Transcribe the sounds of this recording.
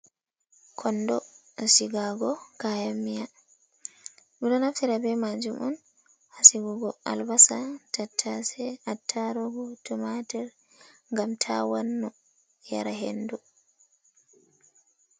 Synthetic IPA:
kʰɔndɔ | siɡaɡɔkajamːija | midɔnaftiɾabɛmad͡ʒumʔɔn | hasiɡuɡɔʔa̰lbasatatʰːasɛatʰːaɾɔɡɔtʰɔmatɛɾ | ŋɡamtʰawanːɔ | ja̰ɾaɦḛndu

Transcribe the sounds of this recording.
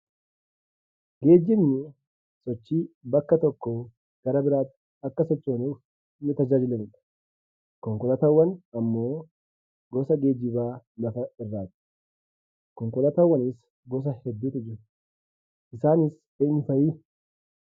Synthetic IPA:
ɡe̞ːd͡ʒːɪmnɪ | sɔt͡ʃːiːbɐkːɐt̪ɔkːo | ɡ̥ɐɾɐbɪɾaːt̪ːɪ̥ | ɐkːɐsɔt͡ʃʼːoːnuːf | nːɪt̪ɐd͡ʒaːd͡ʒɪlɐnɪᶑɐ̥ | kɔŋkɔlɐt̪ɐwːɐnɐmːo̞ː | ɡɔsɐɡe̞ːd͡ʒɪbaːlɐfɐɪrːaːt̪ɪ̥ | kɔŋkɔlɐt̪ɐwːɐnɪs | ɡɔs̬ɐhɛd̪ːuːt̪ɪd͡ʒɪɾɐ̥ | ʔɪsaːnɪs | eːɲːʊfɐjiː

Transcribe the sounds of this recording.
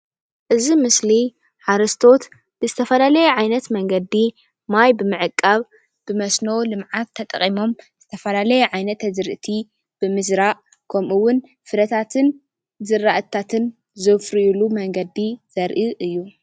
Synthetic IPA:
ʔɨzimɨsli | ħaɾɐst̪ʰo̞t̪ | b̥ɨzɨt̪ʰɐfɐlalɐjɛʕajnɐt̪mɐŋɡɐd̪i | majbɨmɨʕɨkʼːaβ | b̥ɨmɐsnowlɨmʕat̪ʰːɐt̪ʼɐ̰χʼimo̞mz̥ɨt̪ʰɐfɐlalɐjɛʕajnɐt̪ʰɐzɨɾʔɨt̪ʰi | b̥ɨmɨzɾaʔ | kʰɐmʔuwʊn | fɨɾɐt̪ʰat̪ʰɨn | zɨrːaʔɨt̪ʰat̪ʰɨn | zɨfɾijulumɐŋɡɐd̪iz̥ɐɾʔɨʔɨjːu

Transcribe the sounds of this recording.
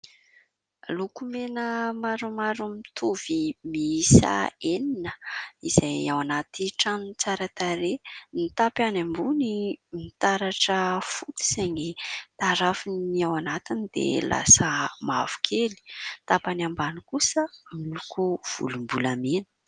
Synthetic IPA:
lukumenəmaɾumaɾumit̪ʰuv̥imiisa̰eninəiz̥ajawanat̪iʈ͡ʂanunt͡saɾat̪aɾenit̪apanambunimit̪aɾaʈ͡ʂəfut̪i̥z̥eɲit̪aɾafiniawanat̪inid̪̥ḛlʔa̰səma̰v̥u̥kʰeli̥t̪apanambanikusəmilukuv̥ṵlumbulamenə̥

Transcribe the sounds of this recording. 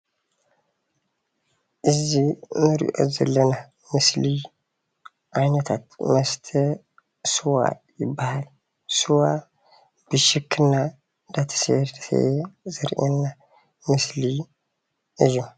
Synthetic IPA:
ʔɨzːihmɨɾḭʔo̰zɐlːəna | mɨsli | ʔajnət̪ʰat̪məst̪ʰə | sɨwa̰jɪbːahal | sɨwa | b̥ɨʃɨkʰːɨnːa | d̪at̪ʰə̥sḛɾsḛzɨɾʔenːa | mɨsli | ʔɨjːu

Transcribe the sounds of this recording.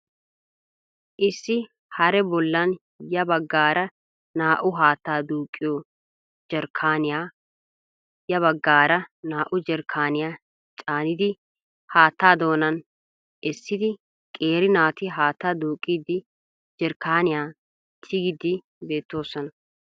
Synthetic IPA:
ʔɪsːɪ | hɐɾɛbɔlːɐn | jɐbɐɡːaːɾɐ | naːʔʊɦaːt̪ːaːd̪uːkʼːɪjo | d͡ʒɛɾkʰaːnɪjaː | jɐβɐɡːaːɾɐnaːʔʊd͡ʒɛɾkʰːaːnɪjaː | t͡ʃʼaːnɪd̪ɪ | haːt̪ːaːd̪o̞ːnɐn | ʔɛsːɪd̪ɪ | kʼeːɾɪnaːt̪ɪɦaːt̪ːaːd̪uːkʼːiːd̪ɪ | d͡ʒɛɾkaːnɪjaː | t̪ʰɪɡɪd̪ɪ | be̞ːt̪ːo̞ːsːɔnɐ

